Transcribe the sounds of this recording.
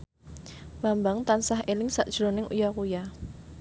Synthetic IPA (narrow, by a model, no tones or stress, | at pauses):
b̥ambaŋt̪ansaɦelɪŋsaʔd̥ʒ̥ɾonɪŋṵjakuja